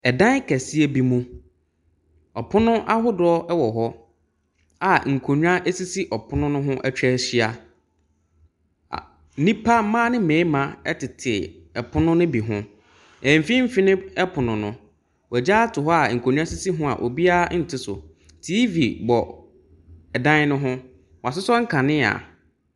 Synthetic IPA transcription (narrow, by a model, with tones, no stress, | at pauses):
ɛ˨dã˦n˦kʰɛ˨si˦e˦bi˨mũ˦ | ɔ˨pʰʊ˦nʊ̃˦ʔa˦ɦʊ˦dʊ˨˦ɔ˦ʔɛ˦wɔ˨ɦɔ˦ | a˨ŋ̩˨kʰo˨ɲᶣ˦ã˦ʔɛ˦si˦si˦ʔɔ˨pʰʊ˦nʊ̃˦nʊ̃˦ɦʊ̃˦ʔɛ˦t͡ɕᶣɾɛ˦ɕi˦a˦˨ | nĩ˦pʰa˦mãː˦nɪ̃˦mẽ˨˦mã˨ɛ̰˦tɪ˨tʰɪ˨ | ɛ˨pʰʊ˦nʊ̃˦nʊ̃˦bi˨ɦʊ̰̃˦ | ɛ̃˨m̩˨fi˦m̩˦fi˦nɪ̃˦ɛ˦pʰʊ˨nʊ̃˨nʊ̰̃˨ | wd͡ʑa˦tʰʊ˨ɦɔ˦a˨ŋ̩˨kʰo˨ɲᶣ˦ã˦si˦si˦ɦʊ̃˦a̰˨ʔo̰˨bi˦a˦n̩˨tʰɪ˦sʊ̰˨ | tʰiː˦vi˨bɔ˨ | ɛ˨dã˦n˦nʊ̃˦ɦʊ̃˦ | wɔ˨a˨sɪ˦sɔ˦ŋ̩˦kʰã˨nɪ̃˦a̰˨